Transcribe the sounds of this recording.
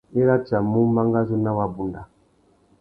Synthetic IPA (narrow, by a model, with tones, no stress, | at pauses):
e˦ɾa˦t͡ʃa˨mu˦ma˦ŋɡa˦zu˦na˦wa˦bu˨nda˨